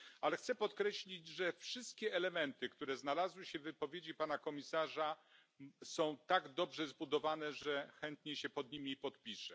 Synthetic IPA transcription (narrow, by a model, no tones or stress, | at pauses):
alɛxt̪sɛpɔt̪kɾɛɕlʲid͡ʑʐɛfʂɘst̪̚kʲɛɛlɛmɛnt̪ɘkt̪uɾɛznalazwɘɕɛvɘpɔvʲjed͡ʑipanakɔmʲisaʐa | sɔ̃w̃t̪aɡd̪ɔbʐɛzbud̪ɔvanɛʐɛxɛnt̪ɲɛɕɛpɔd̪̚ɲimʲipɔt̪̚pʲiʂɛ